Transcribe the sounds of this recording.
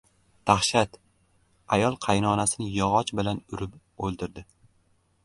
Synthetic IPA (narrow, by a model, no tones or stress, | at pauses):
d̪̥aχʃat̪ | ajɒlˠqʰɑjnɒnasɪnɪjɒʁɒt͡ʃbɪlanʊɾɪp | olˠd̪ɪɾd̪ɪ